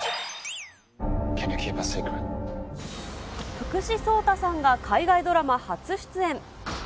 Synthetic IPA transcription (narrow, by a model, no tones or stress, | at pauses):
kʰenʲukʲʰepasekɾ | ɸɯ̟̥kɯ̟ɕiso̞ːt̪asãŋɡakʰaiɡaid̪o̞ɾamahat͡sɨɕi̥t͡sɨẽ̞ɴ